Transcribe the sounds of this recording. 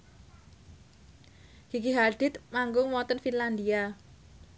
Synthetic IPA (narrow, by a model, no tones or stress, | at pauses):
ɡ̥ikiɦaɖ̪̥ɪt̪maŋɡʊŋwɔnt̪ənfinland̪ia